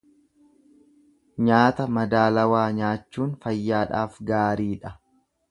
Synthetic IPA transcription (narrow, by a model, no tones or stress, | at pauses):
ɲaːt̪ɐmɐd̪aːlɐwaːɲaːt͡ʃːuːnfɐjːaːᶑaːfɡaːɾiːᶑɐ